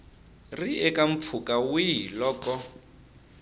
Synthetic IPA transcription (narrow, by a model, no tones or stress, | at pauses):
riɛkaɱ̩p̪fʰukawilɔːkɔ